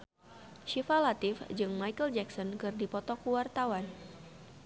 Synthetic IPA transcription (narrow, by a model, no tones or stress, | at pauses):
ʃifalat̪ɪfd͡ʒɨŋmajkəld͡ʒɛksɔnkɨrdipɔt̪ɔkuwart̪awan